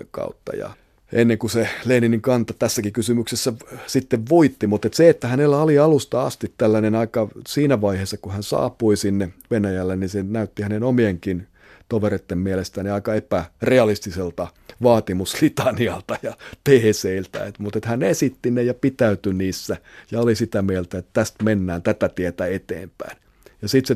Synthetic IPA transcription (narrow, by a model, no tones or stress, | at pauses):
kɑ̰ut̪ːɑ̰jɑ̰ | ʔenːeŋkuseleːniniŋkɑnt̪ɑt̪æsːækikysymyksesːæsit̪ːeʋʋoit̪ːimut̪et̪seet̪ːæhænelːæoliɑlust̪ɑɑ̰st̪it̪t̪ælːænenɑikɑsiːnæʋɑiheːsːɑkuhænsɑ̰ːpuisinːeʋenæjælːennisenæyt̪ːihænenomieŋkin | t̪oʋeret̪ːemmielest̪æniɑikɑepæreɑlist̪iselt̪ɑʋɑːt̪imuslit̪ɑniɑlt̪ɑjɑt̪eːseilt̪æ̰et̪mut̪et̪hænesit̪ːinejɑpit̪æyt̪yniːsːæjɑolisit̪æmielt̪æet̪t̪æst̪menːæːnt̪æt̪æt̪iet̪æet̪ḛːmpæ̰in | jɑsit̪se